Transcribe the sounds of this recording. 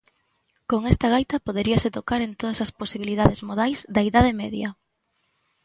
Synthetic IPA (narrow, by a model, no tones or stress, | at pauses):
koŋɛst̪ɐɣajt̪ɐpoðeɾiɐsɪt̪okaɾent̪oðɐsɐsposiβ̞iliðaðɪzmoðajzd̪ɐiðað̞emɛðjɐ